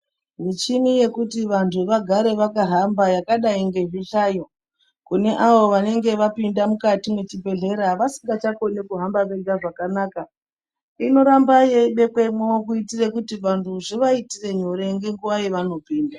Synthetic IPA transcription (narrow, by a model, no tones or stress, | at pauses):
mit͡ʃinije̞kutiʋantʰuʋaɡʱaɾe̞ʋakaɦambajakaɗaiŋɡe̞ɦiɬaːjo̞ | kune̞ʔaʋo̞ʋane̞ŋɡe̞ʋapindamukatimwet͡ʃibʱe̞ɮe̞ɾaʋasiŋɡat͡ʃako̞ne̞kuɦambaʋe̞ɡaʐakanaːka | ino̞ɾambajeiɓe̞kwemok̬uitirekutiʋantʰuʐiʋaitire̞ɲo̞ɾe̞ŋɡe̞ŋɡuʋajeʋano̞piːnda